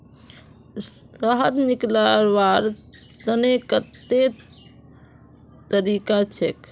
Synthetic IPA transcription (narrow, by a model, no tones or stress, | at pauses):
səɦəd̪niklaɾʋaɾt̪ənekət̪e | t̪əɾikat͡ʃʰḛk